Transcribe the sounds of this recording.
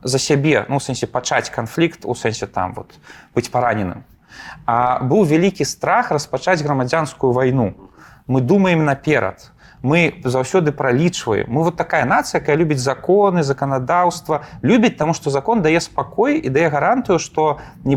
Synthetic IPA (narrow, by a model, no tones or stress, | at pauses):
zɐsʲabʲɛnuwsɛnsʲɛpat͡ʂat͡sʲkanflʲikt̪ṵsɛnsʲɛt̪a̰mvɔ̰t̪b̥ɨt͡sʲpaɾanʲɛnɨ̰m | abɨwvʲalʲikʲist̪ɾaxrɐspat͡ʂad͡zʲɣɾɐmad͡zʲanskujuvajnumɨd̪umɐjɪmnɐpʲɛɾɐ̰t̪ | mɨzawsʲɔd̪ɨpɾalʲit͡ʂvɐ̰jɛ̰mːɨvɔt̪ːakajɐnat̪sɨjakajɐlʲubʲɐd͡zʲzakɔnɨzɐkɐnad̪awst̪vɐlʲubʲɐt͡s̚ʲt̪amuʂt̪ɔzakɔnd̪ajɛspakɔjid̪ajɛɣɐɾant̪ɨjuʂt̪ɔ | nʲɛ